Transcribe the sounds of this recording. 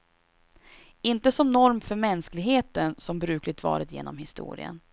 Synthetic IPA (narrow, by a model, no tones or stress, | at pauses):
ɪnt̪əsɔmnɔɾmfœɾmɛnsklɪɡɦheːt̪ənsɔmbɾʉ̟ːklɪt̪vɑ̰ːɾət̪jḛːnɔmhɪst̪ṵːɾɪ̰ə̰n